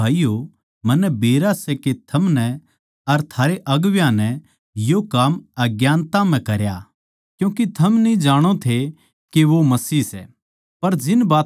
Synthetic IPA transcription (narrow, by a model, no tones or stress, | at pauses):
aːijo | mɐnːɛbeːɾasɛket̪ʰɐmnɛ | ɐɾt̪ʰaːɾeʔɐɡʋjãnɛ | jokaːmɐɡjaːnt̪amɛ̃kɐɾja | kjũːkit̪ʰɐmnĩd͡ʒaːɽ̃ot̪ʰe | keʋomɐsiːsɛ̰ | pɐɾd͡ʒɪnbaːt